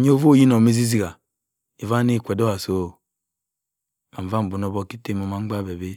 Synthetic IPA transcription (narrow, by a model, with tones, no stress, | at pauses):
ɲ˦o˦vo˦˨ji˦no˨mi˦zi˦zi˦˨ɡa˨ | i˨va˦ni˦˨kʷe˨do˦a˨so˦˨ | a˨m˨va˦m̩˨bu˨no˦bo˦ki˦te˦mo˨ma˨˦ŋ͡mɡ͡ba˦˨be˨be˦